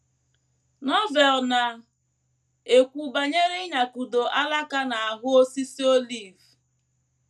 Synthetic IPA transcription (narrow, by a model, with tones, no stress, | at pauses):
nɔ˦vɛ˨lna˨ | e˨kʷu˨ba˨ɲe˦ɾɪ˦ɲa˨ku˨do˨ʔa˦la˦ka˦na˨a˨ɦʊ˦o˦si˦si˦o˦li˦˨v